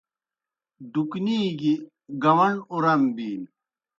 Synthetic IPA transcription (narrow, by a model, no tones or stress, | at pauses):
ɖukniːɡi | ɡɐwɐɳuɾɐmbiːn